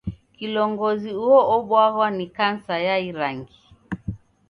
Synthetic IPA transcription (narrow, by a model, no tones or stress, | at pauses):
kilɔŋɡɔziuɔʔɔɓwaɣwanikansajaiɾaŋɡi